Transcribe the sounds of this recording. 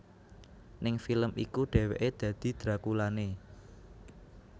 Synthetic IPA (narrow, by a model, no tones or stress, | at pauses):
nɪŋfiləmikuɖ̪̥ɛ̤wḛʔed̪̥ä̤d̪̥i̤d̪̥ɾakulane